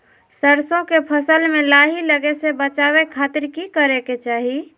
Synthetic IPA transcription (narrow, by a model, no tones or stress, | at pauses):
səɾsõkepʰəsəlmelaɦiləɡesebət͡ʃaβekʰat̪iɾkikəɾeket͡ʃaɦi